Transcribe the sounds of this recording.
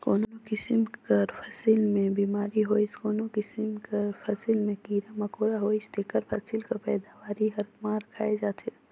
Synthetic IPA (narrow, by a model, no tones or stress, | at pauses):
koːnonokɪsɪmkɐɾpʰɐsɪlmẽbiːmaːɾiɦoːɪskoːnokɪsɪmkəɾpʰɐsɪlmẽkiːɾamɐkoːɽaɦoːɪst̪eːkəɾpʰɐsɪlkapɛːd̪aʋaːɾiɦɐɾkmaːɾkʰaːed͡ʒaːt̪ʰe